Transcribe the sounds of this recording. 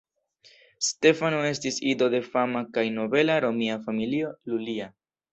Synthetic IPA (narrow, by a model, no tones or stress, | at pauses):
ste̞fanoe̞stisido̞de̞famakajno̞be̞laɾo̞miafamilio̞lulia